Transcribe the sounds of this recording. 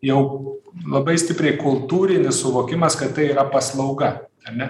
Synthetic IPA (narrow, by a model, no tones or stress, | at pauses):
jɛʊlˠɐbɐɪsʲt̪ʲɪpʲɾʲɛɪkʊlˠt̪uːɾʲɪnʲɪssʊʋoːkʲɪmɐskɐt̪t̪ɐɪiːɾɐpɐslˠɐʊɡɐɐɾʲnʲɛ